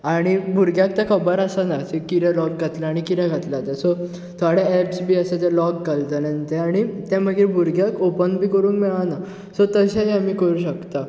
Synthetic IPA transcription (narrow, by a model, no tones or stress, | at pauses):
aɽ̃ibʱuɾɡjak̚t̪jakʰəbəɾasanasekit̪ɛ̃lɔk̚ɡʱat̪laːɽ̃ikit̪ɛ̃ɡʱat̪lat̪ɛ̃sɔ | t̪ʰaɽeɛpsbʱiːəset̪ɛlɔkɡalt̪ənə̃nt̪ɛaɽ̃it̪ɛ̃məɡiːɾbʱuɾɡjakopənbʱiːkəɾuːŋkmiɭana | sɔt̪əɕaɦiamiːkəɾuːɕəkt̪a